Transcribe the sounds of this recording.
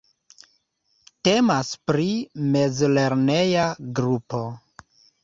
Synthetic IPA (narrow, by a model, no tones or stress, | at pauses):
te̞maspɾime̞zle̞ɾne̞jaɡɾupo̞